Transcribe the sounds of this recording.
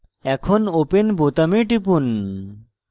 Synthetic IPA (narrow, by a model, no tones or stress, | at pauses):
ɛkʰonopenbot̪ameʈip̬un